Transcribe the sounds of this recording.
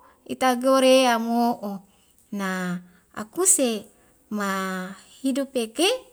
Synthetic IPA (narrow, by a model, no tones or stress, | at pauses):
ḭt̪aɡoɾeamoʔo | na | a̰kuse | mahidupeke